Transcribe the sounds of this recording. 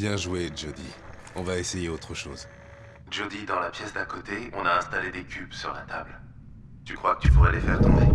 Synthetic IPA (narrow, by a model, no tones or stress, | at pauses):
bjɛ̃ʒwed͡ʒod̪i | ɔ̃vaesejeot̪χəʃo̰ːz | ʒod̪id̪ɑ̃lapjɛsd̪akot̪eɔ̰̃naɛ̃st̪aled̪ekʲʰybsyʁlat̪a̰bl | t̪ykχwakə̥t̪ypuʁɛlefɛ̰ʁt̪ɔ̃de